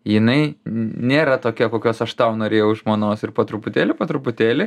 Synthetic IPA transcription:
jɪnɐɪnʲeːɾɐt̪oːkʲiɛkoːkʲoːsɐʃt̪ɐʊnoːɾʲeːjɛʊɪʃmoːnoːsɪrpoːt̪ɾʊpʊt̪ʲeːlʲɪpoːt̪ɾʊpʊt̪ʲeːlʲɪ

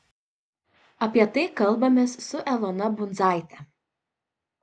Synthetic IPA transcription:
ɐpʲiɛt̪ɐɪkɐlˠˑbɐmʲeːsːʊʔɛlˠɔnɐbʊnd̪zɑˑɪt̪ʲɛ

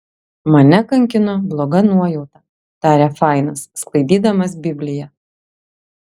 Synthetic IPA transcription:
mɐnʲɛkɐŋʲkʲɪnoblˠɔɡɐnuɔjɛʊt̪ɐ | t̪ɑːɾʲɛfɑˑɪnɐsːklˠɐɪd̪ʲiːd̪ɐmɐsbʲɪbʲlʲɪjɛ

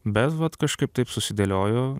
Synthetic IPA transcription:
bʲɛt̪ʋɐt̪kɐʃkɐɪp̚t̪ɐɪpsʊsʲɪd̪ʲɐlʲoːjoː

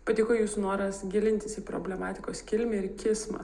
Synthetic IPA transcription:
pɐt̪ʲɪːkoːjuːsʊnoːɾɐsɡʲɪlʲɪnʲt̪ʲɪsiːpɾo̰bʲlʲɛmɑːt̪ʲɪkoːskʲɪlʲmʲɛɪɾkʲɪsmɐ̰

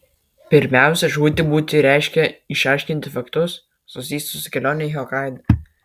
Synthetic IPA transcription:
pʲɪɾʲmʲæˑʊsʲɛʒuːt̪ʲɪbuːt̪ʲɪɾʲæˑɪʃʲkʲɛɪʃɑˑɪʃʲkʲɪnʲt̪ʲɪfɐkt̪ʊs | sʊsʲiːst̪ʲsʊsʊ̥kʲɛlʲoːnʲɛɦʲɛɔkɑɪd̪ɐ

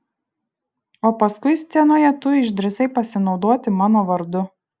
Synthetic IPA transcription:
oːpɐskʊɪsʲt̪sʲɛnoːjɛt̪ʊɪʒd̪ʲɾʲɪsɐɪpɐsʲɪnɒʊd̪oɔt̪ʲɪmɑːnoːʋɐɾd̪ʊ

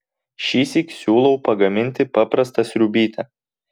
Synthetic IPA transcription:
ʃʲiːsʲikʲsʲuːlˠɐʊpɐɡɐmʲɪnʲt̪ʲɪpɑpɾɐst̪ɐsʲɾʲʊbʲiːt̪ʲɐ

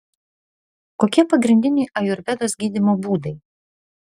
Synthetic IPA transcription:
koːkʲiɛpɐɡɾʲɪnʲd̪ʲɪnʲɛɪʔɐjʊɾʲʋʲɛd̪oːsɡʲiːd̪ʲɪmoːbuːd̪ɐɪ

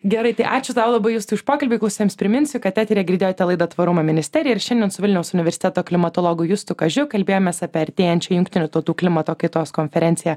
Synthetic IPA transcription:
ɡʲɛɾɐɪt̪ɐɪʔɑːt͡ʃʲʊt̪ɑːʋlˠɐbɐɪjʊst̪ʊɪʃpoːkɐlʲbʲɪklˠɐʊsʲeːmspʲɾʲɪmʲɪnʲsʲʊkɐt̪t̪ʲæːt̪ʲɾʲiɛɡʲɪɾʲd̪ʲeːjoːt̪ʲɛlˠɐɪd̪ɐt̪ʋɐɾʊmɐmʲɪnʲɪsʲt̪ʲɛɾʲɪjɛɪɾʃʲɛnd̪ʲɛnsʊʋʲɪlʲnʲɛʊsʊnʲɪʋʲɛɾʲsʲɪ̥t̪ʲɛt̪oːklʲɪmɐt̪oːlˠoːɡʊjʊst̪ʊkɐʒʲʊkɐlʲbʲeːjoːmʲeːsɑpʲɛɐɾʲt̪ʲeːjɛnʲt͡ʃʲɛjʊŋk̚ʲt̪ʲɪnʲʊt̪ɐʊt̪uːklʲɪmɐt̪oːkɐɪt̪oːskɔnʲfʲɛɾʲɛnʲsʲɪjɛ

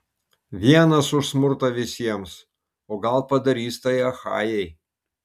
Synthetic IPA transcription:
ʋʲiɛnɐsʊʃsmʊɾt̪ɐʋʲɪsʲiɛms | oːɡɐlˠpɐd̪ɐɾʲiːst̪ɐjɐxɑ̰ːjɛj

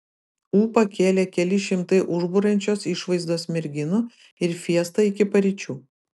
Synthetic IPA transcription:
uːpɐkʲeːlʲeːkʲɛlʲɪʃʲɪmt̪ɐɪʔʊʒbʊɾɐnʲt͡ʃʲoːsɪʃʋɐɪzd̪oːsmʲɪɾʲɡʲɪnʊ | ɪɾfʲiɛst̪ɐɪkʲɪpɐɾʲɪt͡ʃʲuː

